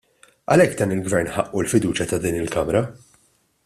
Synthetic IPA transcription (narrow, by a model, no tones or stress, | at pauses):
ɐlɛkːd̪ɐːnɪlɡvɛɾnħɐʔːulfɪd̪uːt͡ʃjɐt̪ɐd̪iːnɪlkɐmɾɐ